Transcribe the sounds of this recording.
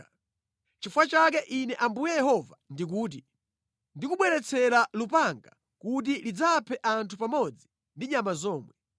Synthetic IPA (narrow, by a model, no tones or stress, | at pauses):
t͡ʃifwat͡ʃak̬ɛʔinɛʔambujɛjɛhɔvandik̬uːt̬i | ndikuɓwɛɾɛt͡sʰɛlalupaŋɡa | kut̬ilid͡zapʰɛʔantʰupamɔd͡zi | ndiɲamazɔːmwɛ